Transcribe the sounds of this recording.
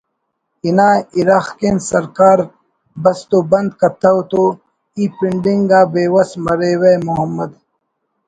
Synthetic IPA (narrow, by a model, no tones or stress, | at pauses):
inaːiɾaːxkensɐɾkaːɾ | bɐst̪oːbɐ̃nd̪kɐt̪ʰɐwt̪o | iːpiɳɖiŋɡɡaːbeːwɐsmɐɾeːwemuɦɐmːɐd̪